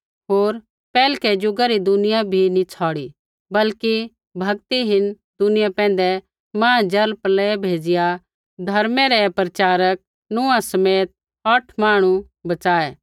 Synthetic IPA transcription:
ɦoːɾ | pɛːlkɛd͡ʒʊɡaɾid̪ʊnɪjabʱinit͡sʰɔːɽi | bɐlki | bʱɐɡ̚t̪iɦɪn | d̪ʊnɪjapɛ̃ːn̆d̪ɛ | mãːd͡ʒɐlplɛbʱeːd͡ʒɪja | d̪ʱɐɾmɛɾɛpɾɐt͡ʃaːɾək̚ | nʊãsɐmeːt̪̚ | ɐʈʰmaːɽ̃u | bɐt͡ʃaːɛ

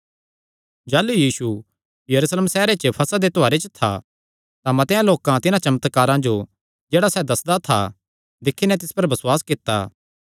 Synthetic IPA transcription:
d͡ʒaːlujiːsu | jɐɾuːsleːmsɛːɾet͡ʃəpʰɐsad̪et̪oaːɾet͡ʃət̪ʰa̰ | t̪amɐ̃t̪ɪjãloːkãt̪ɪnãt͡ʃɐmət̪kaːɾãd͡ʒo | d͡ʒeːɽasɛd̪ɐsd̪at̪ʰa̰ | d̪ɪkʰːinɛt̪ɪspɐɾbɐsʊwaːskɪt̪ːaː

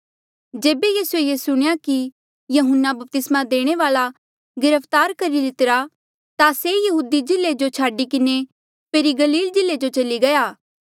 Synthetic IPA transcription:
d͡ʒeːbejiːsuejeːsʊɽ̃ejaki | jɐɦʊnːabɐp̚t̪ɪsmãd̪eːɽ̃eʋaːla | ɡɪɾəpʰt̪aːɾkɐɾid̪ɪt̪ɪɾa | t̪asejɐɦuːd̪id͡ʒɪled͡ʒot͡ʃʰaːɖik̬ɪne | peːɾiɡɐliːld͡ʒɪlːed͡ʒot͡ʃɐliɡɐjaː

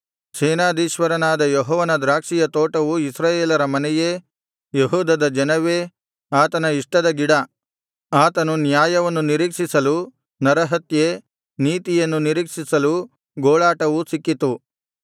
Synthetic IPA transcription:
sɛːnaːd̪iːʃʋɐɾɐnaːd̪ɐjɔɦɔːʋɐnɐd̪ɾaːkʂijɐt̪oːʈɐʋuisɾaːjeːlɐɾɐmɐnɛjeː | jeɦuːd̪ɐd̪ɐd͡ʒɐnɐʋeː | aːt̪ɐnɐiʂʈɐd̪ɐɡiɽɐ | aːt̪ɐnunjaːjɐʋɐnːuniɾiːkʂisɐlu | nɐɾɐɦɐt̪je | niːt̪ijɐnːuniɾiːkʂisɐlu | ɡoːɭaːʈɐʋusikːit̪u

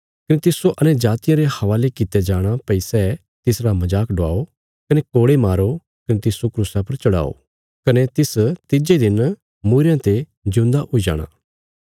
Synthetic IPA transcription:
kɐnet̪ɪsoʔɐned͡ʒaːt̪ɪjãɾehɐʋaːlekɪt̪ed͡ʒaːɽ̃apɛɪsɛ | t̪ɪsɾamɐd͡ʒaːkɖʊa̰ːo | kɐnekoːɽemaːɾo | kɐnet̪ɪsokɾuːsãpɐɾt͡ʃɐɽa̰ːo̰ | kɐnet̪ɪst̪ɪd͡ʒed̪ɪn | muːɾjãt̪e | d͡ʒʊ̃ːnd̪aʔoid͡ʒa̰ːɽ̃a̰ː

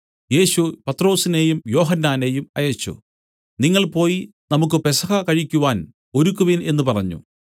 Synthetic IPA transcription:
je̞ːɕupɐt̪ro̞ːsine̞jumjo̞ːɦɐnːaːne̞jumɐ̰jɐt͡ɕːṵ | niŋːɐɭpo̞ːjinɐmuk̬ːɨpesɐɣɐkɐɻikʲːuʋaːn | o̞ɾukːuʋine̞nːupɐrɐɲːṵ

